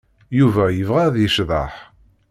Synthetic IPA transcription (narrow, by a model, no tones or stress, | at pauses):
juvæjəvʁæðjəʃðˤɑ̰ħ